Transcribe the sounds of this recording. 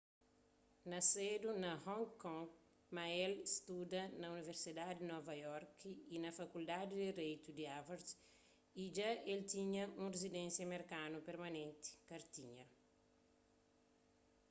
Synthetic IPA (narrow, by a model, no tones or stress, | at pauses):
nɐsed̪unɐhɔ̃ŋkɔ̃ŋɡ | maɛlist̪ud̪ɐnɐuniveɾsid̪ad̪inɔvɐjɔɾkinɐfɐkuld̪ad̪id̪eɾejt̪ud̪iavɐɾs | id͡ʒaʔelt̪iɲɐũrezid̪ɛ̃nsjɐmeɾkanupeɾmɐnẽnt̪i̥kɐɾt̪iɲɐ